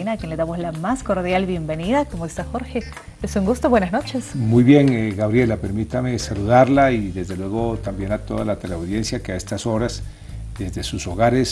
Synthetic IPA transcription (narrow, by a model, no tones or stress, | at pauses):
inakjenleðamozlamasko̞ɾðjalbje̞mbe̞niðakomoest̪axo̞ɾxe̞ | esuŋɡust̪oβwenasno̞t͡ʃe̞smujβje̞ŋɡaβɾje̞lape̞ɾmit̪ame̞saluðaɾlaiðe̞zðelwe̞ɣo̞t̪ambje̞nat̪o̞̰ðalat̪eleawðje̞nsjakeae̞st̪aso̞ɾas | d̪e̞zðe̞suso̞ɣaɾes